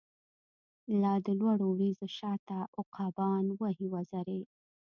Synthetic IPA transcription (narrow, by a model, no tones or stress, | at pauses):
lɑd̪əlwaɽowɾizoʃɑt̪aʔʊqʰɑbɑnwəɦiwazaɾe